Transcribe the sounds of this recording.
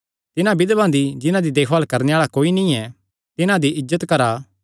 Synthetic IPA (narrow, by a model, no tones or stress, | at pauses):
t̪ɪnãbɪd̪bãːnd̪id͡ʒɪnãd̪id̪eːkʰʋaːlkɐɾneaːɭakoːinĩɛ | t̪ɪnãd̪iʔɪzːət̪kɐɾaː